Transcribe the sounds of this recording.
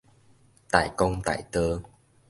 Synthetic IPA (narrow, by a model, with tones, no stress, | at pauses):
t̪a̰ː˧˨jkə˧wŋ͡mt̪a̰ː˧˨jt̪əː˧